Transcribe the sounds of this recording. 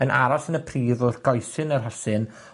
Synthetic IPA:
ənʔa̰ɾɔsənəpʰriːðʊrɡ̥ɔjsɨnərɦasɨn

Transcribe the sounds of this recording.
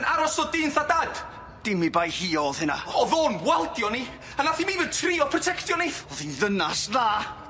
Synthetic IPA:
naɾɔsɔdɪnθadaːd̥ | d̥ɪmibajhiːɔlˠhɪna̰ɔðoːnwɛlˠdjɔni | ənaθimivətʰriːɔpʰrɔtʰɛktjɔniθɔðinðənasðaː

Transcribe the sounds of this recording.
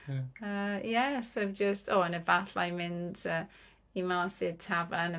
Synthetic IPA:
əjɛsavd͡ʒəstʰɔːənəbaθajmɪndə | imasɪətʰavanə

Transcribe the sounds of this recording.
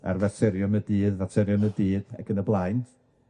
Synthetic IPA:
a̰rvatʰɛɾjɔmədiːðvatʰɛɾjɔmədiːd̥ɛ̰ɡənəblˠajnt

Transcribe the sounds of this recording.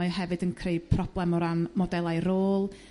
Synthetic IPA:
jɦɛvɨdənkʰrejpʰr̥ɔb̥lˠɛmɔɾanmɔdɛlˠajɾoːlˠ

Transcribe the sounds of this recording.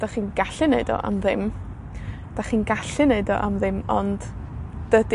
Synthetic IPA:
d̥aχiːnɡaɬɨneɨdɔ̰ʔa̰mðɪm | d̥aχiːnɡaɬɨneɨdɔ̰ʔamðɪmɔ̰nd̥ː | əd

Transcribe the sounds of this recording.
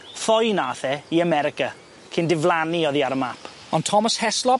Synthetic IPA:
fɔjnaːθɛiəmɛɾɪka | kʰɪndɪvlˠaniɔðiaɾəmapʰ | ɔntʰɔməshɛslˠɔ

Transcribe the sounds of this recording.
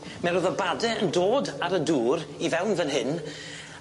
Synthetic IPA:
mɛɾʊðɔbadɛəndoːdaɾəduːɾivɛwnvənɦɪn

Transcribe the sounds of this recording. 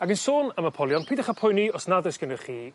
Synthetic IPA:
aɡənsoːnəmapʰɔlˠjɔnpʰiːdəχapʰʊjniɔsnadɨsɡ̥ənərχiː

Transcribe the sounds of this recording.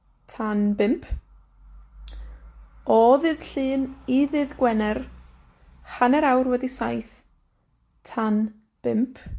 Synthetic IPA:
tʰanbɪmpʰ | ɔðɨðɬɨːniðɨðɡwɛnɛr | hanɛɾawrwɛdisajθ | tʰan | b̥ɪmpʰ

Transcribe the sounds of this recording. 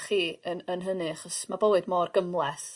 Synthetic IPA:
χiːənənɦənɨaχɔsmabowɨdmɔrɡəmlˠɛθ

